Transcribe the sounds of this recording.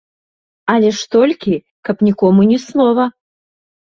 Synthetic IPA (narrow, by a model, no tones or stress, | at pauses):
ɐlʲɛʂt̪ɔlʲkʲi | kɐpnʲikɔmunʲɛsnˠɔvɐ